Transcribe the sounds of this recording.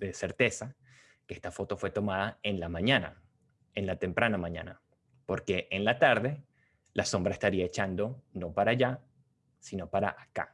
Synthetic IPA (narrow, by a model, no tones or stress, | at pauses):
d̪ese̞ɾt̪e̞sa | kee̞st̪afo̞t̪o̞fwe̞t̪o̞maðaenlamãɲana̰ | enlat̪e̞mpɾanamãɲã̰na | po̞ɾke̞ʔenlat̪aɾðe̞ | lʔaso̞mbɾaest̪aɾiae̞t͡ʃand̪o̞no̞paɾaʝa | sino̞paɾa̰ʔaka̰